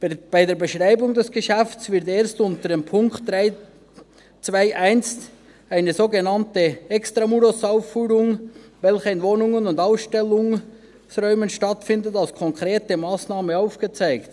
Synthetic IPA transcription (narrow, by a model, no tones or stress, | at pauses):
b̥aɪdeːɐbəʃʁaɪbʊŋdɛsɡ̥əʃɛftsvɪɾteːɐstʊntədeːmpʰʊŋkt̚d̥ʁaɪ | t͡svaɪʔæɪnst | aɪnəzoːɡənɑntəɛkstʁamuɾosaʊfːyːɾʊŋvɛlçəɪnvoːnʊŋənʊndaʊsʃtɛlʊŋ | sʁɔʏmənʃtɑtfɪndətalskʰɔŋkʁ̥eːtəmaːsnaːməaʊfɡ̥ət͡saɪkt